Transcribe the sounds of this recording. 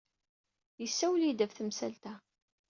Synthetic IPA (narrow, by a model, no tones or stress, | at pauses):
jəsːæwlid̪ævθəmsælt̪æ